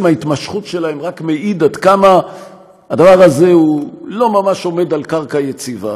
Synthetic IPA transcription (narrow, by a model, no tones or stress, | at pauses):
mait̪maʃχutʃe̞lahemʁakmeʔid̪ad̪kama | ad̪avaʁaze̞hulo̞mamaʃo̞me̞d̪alkaʁkajet͡siva̰